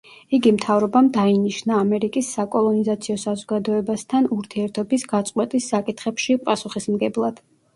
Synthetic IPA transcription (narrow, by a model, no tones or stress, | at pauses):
iɡimt̪ʰavɾɔbamd̪ainiʃnaːmɛɾikʼisːakʼɔlˠɔnizat̪sʰiɔsazɔɡad̪ɔɛbast̪ʰanuɾt̪ʰiɛɾt̪ʰɔbisɡat̪sʼqʼwɛt̪ʼisːakʼit̪ʰχɛpʃipʼasuχismɡɛblˠad̪̥